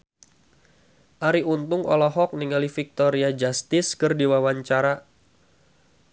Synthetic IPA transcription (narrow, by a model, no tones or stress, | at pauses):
ʔaɾiunt̪ʊŋɔ̰lɔɦɔk̚niŋalifik̚t̪oɾiad͡ʒast̪ɪskɨrdiwawaɲt͡ʃaɾa